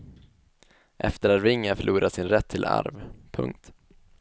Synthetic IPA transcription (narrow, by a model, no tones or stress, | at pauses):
ʔɛft̪əɾaɾɪŋːafœɭʔuːɾʔasɪnɾɛt̪ʰːɪlʔa̰ɾvpʰɵ̰ŋk̚t̪